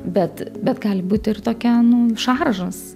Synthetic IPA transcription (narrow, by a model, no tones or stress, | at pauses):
bʲɛt̪bʲɛt̪ɡɑːlʲɪbuːt̪ʲɪrt̪oːkʲɛnʊʃɑrʒɐs